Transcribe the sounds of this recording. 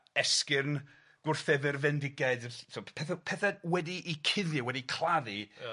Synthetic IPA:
ɛskɪrn | ɡ̥ʊrθɛðɪrvɛndɪɡaɨdʰopʰɛθapʰɛθawɛdiʔikʰɪðjɨwɛdikʰlˠaði

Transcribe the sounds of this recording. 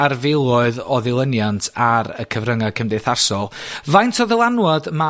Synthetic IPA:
arvɪlˠɔɨðɔðɪlˠənjantʰaɾə̰kʰəvrəŋakʰəmdeθasɔlˠvajntʰɔðəlˠanwɔdma

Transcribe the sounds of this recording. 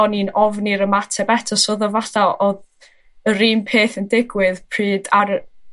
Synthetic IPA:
ɔninɔvniɾəmatʰɛbɛtʰɔsoːðɔvatalˠoð | əɾiːmpʰeːθəndɪɡwɨðpʰrɨːdar

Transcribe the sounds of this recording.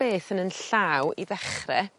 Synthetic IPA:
eːθənənɬawiðɛχrɛ

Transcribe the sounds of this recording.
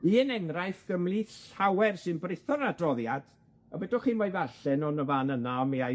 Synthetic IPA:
iənɛŋrajθɡ̥əmliɬawɛrsɨnbrɪθɔɾadrɔðjad̥ | əbɛdɔχiːnvɔjvaɬɛnɔnəvaːnənaɔmia

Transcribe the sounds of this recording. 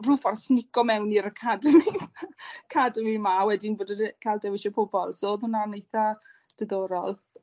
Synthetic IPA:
ruːfɔrsnɪkɔmɛwniɾəkʰadəmi | kʰadəmimawɛdɪnboːdədkʰalˠdɛwɪʃɔpʰʊbɔlˠsoðʊnanejθad̥əðɔɾɔlˠ

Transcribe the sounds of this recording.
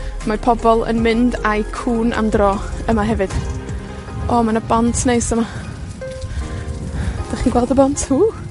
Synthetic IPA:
marpʰɔbɔlˠə̰nmɪndajkʰuːnʔa̰mdrɔːəmaɦɛvɨd̥ | ɔmanəbɔntʰnejsəma | d̥aχiːnɡwɛlˠdəbɔntʰhuː

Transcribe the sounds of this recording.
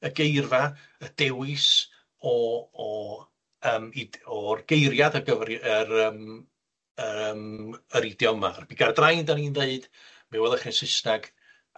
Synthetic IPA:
əɡejrva | əd̥ɛwɪs | ɔɔ | əːmidɔrɡ̥ejɾjadəɡəvrəɾəːm | əəːməɾidjɔma̰rb̥iɡardrajndaninðeɨd̥ | mɛwɛlˠəχɛnsɪsnaɡ̥

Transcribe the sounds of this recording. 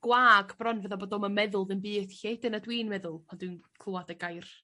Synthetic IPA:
ɡ̥waːɡbrɔnvəðaboːdɔməmɛðʊlˠðɨnbɨːd̥çed̥ənadwiːnmɛðʊlˠmʰandwɨnkʰl̥ˠuadəɡajr

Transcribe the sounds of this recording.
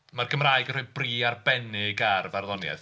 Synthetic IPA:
marɡʰəmraːɨɡənr̥uːbriːarbɛnɪɡarvarðɔnjɛ̰ð

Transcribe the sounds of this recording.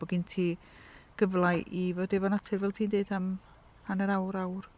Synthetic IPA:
b̥ɔɡintʰiː | ɡ̥əvlˠajʔivoːdevɔnatʰɨrvɛlˠtʰiːndeɨdam | anəɾawɾawr

